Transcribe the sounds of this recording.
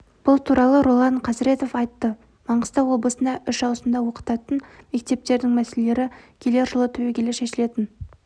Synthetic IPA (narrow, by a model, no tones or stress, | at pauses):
b̥ʊlˠt̪ʰuɾɑlˠəɾolˠɑɴqʰɑzɾe̞t̪o̞fɑjt̪ːə | mɑɴəst̪ɑwo̞blˠəsənɑʔʏʃɑwsəmd̪ɑwo̞qə̥t̪ɑt̪ənme̞k̚t̪e̞p̚t̪e̞ɾd̪ɪŋmæselele̞ɾɪkʲʰele̞ɾʒəlˠət̪ʰɵwekʲʰelɪʃe̞ʃɪle̞t̪ɪn